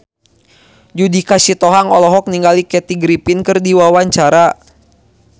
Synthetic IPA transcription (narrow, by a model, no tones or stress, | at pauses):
d͡ʒudikasit̪ɔɦaŋɔlɔɦɔk̚niŋɡalikɛt̪iɡɾipinkɨrdiwawaɲt͡ʃaɾa